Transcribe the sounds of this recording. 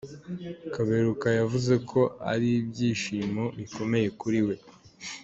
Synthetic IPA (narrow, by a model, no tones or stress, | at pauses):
kaβe̞ɾukajavuze̞kʰo̞a̰ɾibɟiːʃiːmoβiko̞me̞je̞kuɾiwe̞